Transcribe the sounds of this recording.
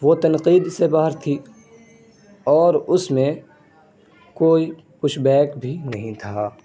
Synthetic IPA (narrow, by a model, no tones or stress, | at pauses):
ʋot̪ɐnqiːd̪sebaːɦəɾt̪ʰiː | ɔːɾʊsmẽ | koːi | kʊʃbɛːkbʱinɐɦĩt̪ʰaː